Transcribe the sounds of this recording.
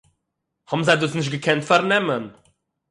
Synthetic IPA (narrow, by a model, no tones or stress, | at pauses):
hɔbm̩zaɪduːsnɪʃ̬tɡəkʰɛntfaɾnɛmən